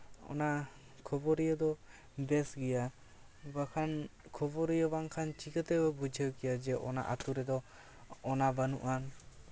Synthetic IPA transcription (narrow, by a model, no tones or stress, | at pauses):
ɔ̰na | kʰɔbɔɾijəd̪ɔ | d̪ɛsɡɛja | bakʰankʰɔbɔɾijəbaŋkʰant͡ʃikət̪ɛbɛbud͡ʒʱəkɛjad͡ʒɛʔɔ̰na̰ʔat̪uɾɛd̪ɔː | nabanṵʔan